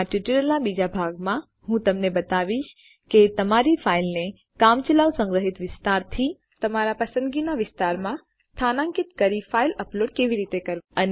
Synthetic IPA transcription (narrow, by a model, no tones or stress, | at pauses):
aʈuʈiʈəlãbid͡ʒabʱaːɡmã | ɦũt̪ɐmnẽbɐt̪aːʋiʃ | ket̪ɐmaːɾifʰaːɪilnẽ | kaːmt͡ʃəlaːʋsə̃ŋɡɾəɦɪt̪ʋɪst̪aːɾt̪ʰi | t̪ɐmaɾapɐsə̃nd̪ɡinaʋɪst̪aːɾmã | st̪ʰaːnãŋkɪt̪kəɾifʰaːilɐploːɖ̚keːʋiɾiːt̪ekɐɾən